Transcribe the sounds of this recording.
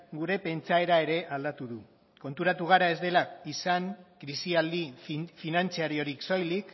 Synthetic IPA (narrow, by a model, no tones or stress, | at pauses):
ɡuɾe̞pe̞nt͡sae̞ɾae̞ɾe̞ʔald̪at̪uðu | ko̞nt̪uɾat̪uɣ̞aɾae̞zd̪e̞laisaŋkɾisiald̪ifinant͡siaɾio̞ɾikso̞jlik